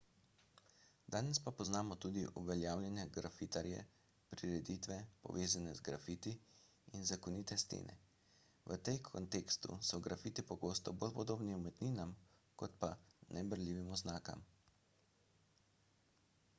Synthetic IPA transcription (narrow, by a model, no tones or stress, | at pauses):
d̪aːnɛspapɔznaːmɔt̪ud̪iʔuʋɛljaːwlʲjanjɛɡɾafit̪aɾjɛ̰ | pɾiɾɛd̪it̪ʋɛpɔ̰ʋeːzanɛzɡɾa̰fiːt̪i | inzakɔniːt̪ɛst̪ḛːnɛ̰ | ʋə̰t̪ekʰɔ̰nt̪ekst̪ṵsɔɡɾafit̪ipɔɡoːst̪ɔbolpɔd̪oːbniumɛt̪niːnam | kɔt̪panʔɛbəɾlʲiːʋimɔznaːka̰m